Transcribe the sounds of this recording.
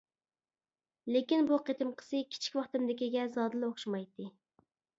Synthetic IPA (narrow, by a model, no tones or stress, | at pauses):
lekʲinbuqet̪ʰɪmqʰə̥sɨkʲʰi̥t͡ʃʰi̥kʲwɑχt̪ɪmd̪ɪkʲiɡʲɛzɑːd̪ɨlˠoχʃɑmɑjt̪ːɨ